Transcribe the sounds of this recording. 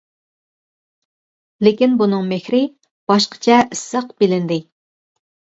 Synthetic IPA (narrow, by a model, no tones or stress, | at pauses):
lekʲinbunɨŋmexɾɪ | b̥ɑʃqə̥t͡ʃʰɛisːəqb̥ɪlɪnd̪ɪ